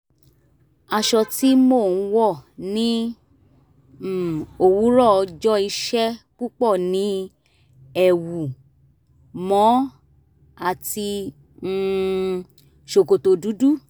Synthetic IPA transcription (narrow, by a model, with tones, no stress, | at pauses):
a˧ʃɔ˧ti˦mo˦˨˦wɔ˦˨nĩ˨˦˨ | o˧˨wu˨˦ɾɔ˦˨ɔ˧d͡ʒɔ˦i˧ʃɛ˦k͡pu˦k͡pɔ˦˨nĩ˨˦ | ɛ˨wu˨ | mɔ̃˨˦ | a˦˨ti˧˦ | ʃo˨ko˨to˧du˨˦du˦˨